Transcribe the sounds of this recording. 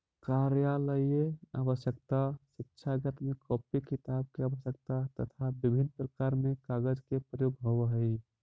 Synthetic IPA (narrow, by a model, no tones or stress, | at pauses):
kaɾjaləjea̰bəʃjəkt̪aʃik̚t͡ʃʰaɡət̪mekɔpikːit̪ab̚keabəʃjək̚t̪at̪ə̰t̪ʰabibʱinːpɾəkaɾmekaɡəd͡ʒkepɾəjoɡɦoʋəɦəi